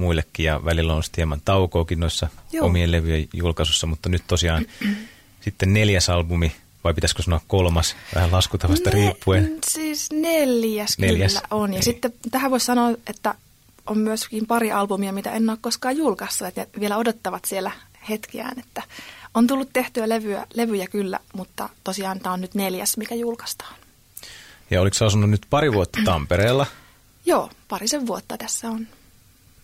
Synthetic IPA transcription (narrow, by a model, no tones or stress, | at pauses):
muilːekːijɑ̰ʋælilːonsi̥t̪hiemːɑnt̪ɑukoːkinnoisːɑomieleʋyjejjulkɑsusːɑmut̪ːɑnyt̪t̪osiɑːn | sit̪ːenneljæsɑlbumi | ʋɑipit̪æskøsɑnoɑkkolmɑsʋæ̰hælɑskut̪ːɑʋɑst̪ɑriːpːuesiːsneljæskneljælsːæ̰ʔonjɑsit̪ːet̪æhæʋoissɑnoːet̪ːæ | ʔommyøskiːmpɑɾiʔɑlpumiɑmit̪æ̰enːoːkkoskɑːjjulkɑst̪ːuɑt̪neʋielæodot̪ːɑʋɑt̪sielæhet̪kiæ̰ːnet̪ːæont̪ulːut̪t̪eht̪yæleʋyæ̰leʋyjækylːæ̰mut̪ːɑ̰t̪osiɑːnt̪æonnyt̪neljæsmikæjulkɑ̥st̪ɑ̥ːn | jɑ̰oliksɑsunːunnyt̪pɑɾiʋuot̪ːɑ̥t̪ɑ̰mpeɾeːlːɑ | joːpɑriseʋʋuot̪ːɑt̪æsːæon